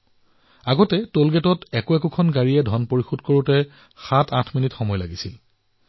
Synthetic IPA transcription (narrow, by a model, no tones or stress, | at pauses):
aɡɔtɛtolɡɛtɔtɛkʊɛkʊkʰɔnɡaɹiɛdʱɔnpoɹixud̚koɹutɛ | xatʰãtʰminitxɔmɔjlaɡisil